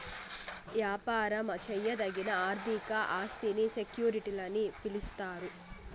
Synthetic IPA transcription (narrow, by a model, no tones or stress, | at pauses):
ʋjaːpaːɾɐmɐt͡ʃɛjːɐd̪ɐɡinɐaːɾd̪ʱikɐʔaːst̪inisekjuːɾiʈilɐnːipilist̪aːɾu